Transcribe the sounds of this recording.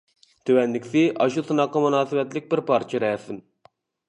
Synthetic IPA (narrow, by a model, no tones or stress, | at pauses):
t̪ʰøwɛnːɪkʲsɪʔɑʃusɨnɑqːɑmunɑːsɨbɛt̪lɪk̚ʲbɪɾpʰɑɾt͡ʃʰiɾɛsɪn